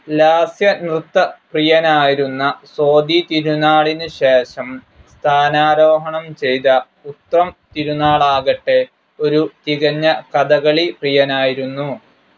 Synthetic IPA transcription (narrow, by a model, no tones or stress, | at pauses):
laːsjɐnrɨt̪ːɐprijɐnaːjiɾunːɐso̞ːd̪it̪iɾunaːɭinɨɕe̞ːʂɐm | st̪ʰaːnaːɾo̞ːɦɐɳɐmt͡ɕe̞jt̪ɐ | ut̪rɐmt̪iɾunaːɭaːɣɐʈːe̞ | o̞ɾut̪iɣɐɲːɐkɐd̪ɐɣɐɭiprijɐnaːjiɾunːu